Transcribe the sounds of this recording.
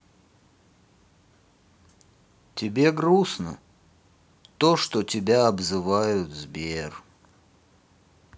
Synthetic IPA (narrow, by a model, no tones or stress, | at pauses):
tʲɪbʲe̞ɡɾusnə̰ | t̪oʂt̪otʲɪbʲaɐbzɨvajʊt̪zbʲer